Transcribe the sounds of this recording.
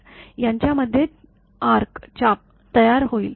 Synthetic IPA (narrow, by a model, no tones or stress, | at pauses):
jaɲt͡ɕjaməd̪ʱːje | aɾkt͡ɕap̚ | t̪əjaɾɦoiːl